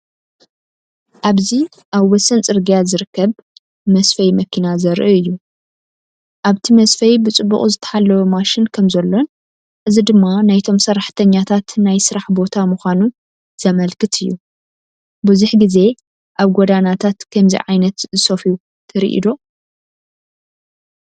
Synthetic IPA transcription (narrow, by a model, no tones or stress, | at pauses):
ʔaβzi | ʔaβwɔsɐnt͡sʼɨɾɡijazɨɾɨkːɐβ | mɐsfɐjmɐkʰinazɐɾʔiɨjːu | ʔaβt̪ʰimɐsfɐjbɨt͡sʼɨbːṵχʼuzɨt̪ʰɐ̥ħalːɐwomaʃɪnkʰɐmzɐlːo̞n | ʔɨzid̪ɨmːanajt̪ʰo̞msɐrːaħt̪ʰɐɲːat̪ʰat̪najsɨɾaħbo̞t̪ʰamuxʷanu | z̥ɐmɐlkɨt̪ʰɨjːu | bɨzuħɡize̞ | ʔaβɡod̪anat̪ʰat̪kʰɐmzḭʕajnɐt̪zɨsofiu | t̪ʰɐɾḭʔḭd̪o̞